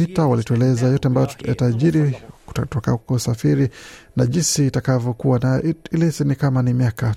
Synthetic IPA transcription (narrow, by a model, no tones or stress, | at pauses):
itawalituɛlɛzajɔtɛambajɔja̰taʄiɾi̥tɔkakɔusafiɾinaʄinsiːtakavjɔkuwana̰ilɛsinikamanimiaka